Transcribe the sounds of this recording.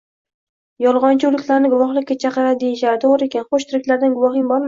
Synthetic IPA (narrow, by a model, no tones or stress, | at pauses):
jɒlˠʁɒnt͡ʃʰɪʊlɪkʲʰlaɾnɪɡʊvɒχlˠɪkʲːat͡ʃʰɑqɨɾaɪd̪ejɪʃaɾɪt̪ʰoʁɾɪekʲanχoʃt̪ʰɪɾɪkʲlaɾd̪anɡʊvɒχɪŋbɒɾma